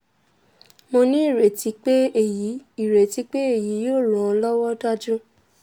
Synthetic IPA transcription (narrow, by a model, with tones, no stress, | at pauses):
mo˧nĩ˦i˦˨ɾe˨ti˨˧˦k͡pe˦e˨ji˨˦i˨ɾe˨ti˨˦k͡pe˦e˦˨ji˨˦joː˦˨lɔ̃˨˦˧lɔ˦wɔ˦da˦˨d͡ʒũ˦